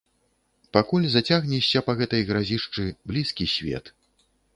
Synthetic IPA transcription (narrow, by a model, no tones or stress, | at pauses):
pakulʲzat͡sʲaɣnʲiɕʲːɐpɐɣɛt̪ɐjɣɾazʲiʂt͡ʂɨblʲiskʲisʲvʲɛ̰t̪